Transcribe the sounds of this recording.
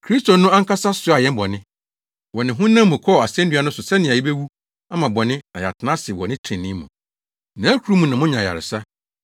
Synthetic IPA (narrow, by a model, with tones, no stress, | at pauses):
kʰɾi˦sto˨nʊ̃˦a˦ŋ˦kʰa˦sa˦sʊ˦a˨jɛ̃˦m˦bɔ˨nɪ̃˦ | wɔ˨nɪ̃˨ɦʊ̃˦nã˦mʊ̃˨kʰɔ˦˨a˨sɛ̃˦ndɥa˦nʊ̃˦sʊ˨sɛ˦nɪ̃˨a˨ji˦be˦wu˦ | a˦mã˨bɔ˨nɪ̃˦nã˨ja̰˨tʰɪ˨nã˦sɪ˨wɔ˨nɪ̃˦tʰɾɪ̃˨nːɪ̃˦mṵ̃˨ | nã˨˦æ˦kʰu˨ɾu˦mũ˨nã˨mʊ̃˦ɲã˨ja̰˨ɾɪ̰˨sa˦